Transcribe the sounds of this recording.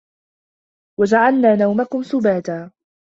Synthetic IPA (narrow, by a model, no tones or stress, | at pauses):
wad͡ʒaʕalnaːnawmakʊmsʊbaːt̪aː